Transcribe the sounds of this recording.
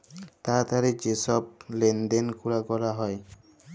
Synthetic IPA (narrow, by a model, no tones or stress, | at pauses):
t̪at̪aɾed͡ʑesɔb̚lend̪enkuɾaɡɔlaɦɔe